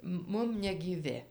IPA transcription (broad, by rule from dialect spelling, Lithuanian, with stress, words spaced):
ˈmʊm nʲɛɡʲiːˈʋʲɪ